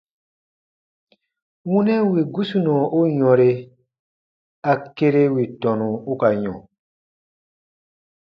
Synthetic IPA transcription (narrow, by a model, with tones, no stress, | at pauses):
wũ˦nɛ̃˦wi˨ɡu˦su˨nɔ̃˨o˦ɲɔ̃˨ɾe˨ | a˨ke˦ɾe˦wi˨tɔ̃˨nũ˨u˦ka˨ɲɔ̰̃˨